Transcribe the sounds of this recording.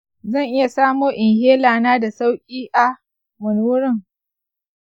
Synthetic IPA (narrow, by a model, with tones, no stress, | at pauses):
zɐ˦˨ŋʔɪ˦ja˨saː˦moː˦ʔɪ˨ŋheː˦laː˨naː˦da˨sa˦wkʲʼiː˦ʔa˨ | mʊ˨nː˦ʊ˦ɾɪ˦˨ŋ